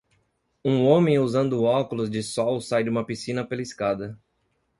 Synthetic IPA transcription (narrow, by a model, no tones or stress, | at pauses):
ũõmẽj̃uzɐ̃nd̪ʊʊɔkʊlʊzd͡ʒɪsɔwsajdũmɐpisĩnɐpelɐiskad̪ɐ